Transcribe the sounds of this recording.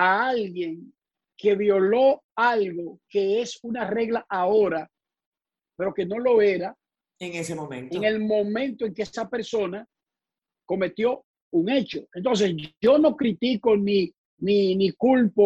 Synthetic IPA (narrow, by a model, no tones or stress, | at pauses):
aalɣje̞ŋ | ke̞βjo̞lo̞ | alɣo̞ke̞e̞sunare̞ɣlaʔao̞ɾa | pe̞ɾo̞ke̞no̞lo̞e̞ɾa | eŋesemõmḛ̃nteoŋe̞lmõ̞mẽ̞nt̪o̞e̞ŋkeesape̞ɾso̞na | ko̞me̞t̪jo̞ | uŋe̞t͡ʃo̞e̞nt̪o̞ns̬e̞so̞no̞kɾit̪iko̞ni | ninikulpo